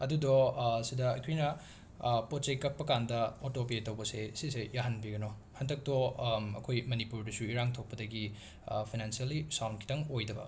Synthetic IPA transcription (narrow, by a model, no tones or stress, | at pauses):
ɐdudosidɐɐjkʰojnɐ | pott͡ʃɐjkɐk̚pɐkandɐotopietɐwbɐsesisejaɦɐnbiɡɐno | hɐndɐk̚tɔɐ̰kʰojmɐnipuɾdɐsuiɾaŋtʰok̚pːɐdɐɡi | pʰajnansialisawnkʰi̥tʰɐŋojdɐbɐ̰